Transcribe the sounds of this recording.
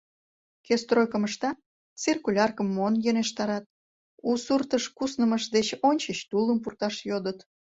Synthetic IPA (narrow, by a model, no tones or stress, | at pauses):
kest̪rojkəməʃt̪ɑ | t͡sirkulʲɑrkəmːonjøneʃt̪ɑɾɑt̪̚ | usurt̪əʃkusnəməʃd̪et͡ɕonʲt͡ɕəɕt̪uləmpurt̪ɑʃjod̪ət̪